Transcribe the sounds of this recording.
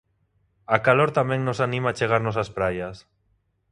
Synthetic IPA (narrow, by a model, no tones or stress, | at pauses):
akaloɾt̪amɛ̃ŋnosanĩmaːt͡ʃeɣ̞aɾnosaspɾajas